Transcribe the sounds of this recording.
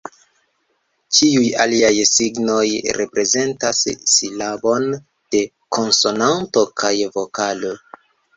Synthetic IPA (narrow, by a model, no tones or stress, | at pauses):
t͡ʃiujaliajsiɡno̞jɾe̞pɾe̞ze̞ntasːilabo̞n | d̥e̞ | kʰo̞nso̞nanto̞kʰajvo̞kalo̞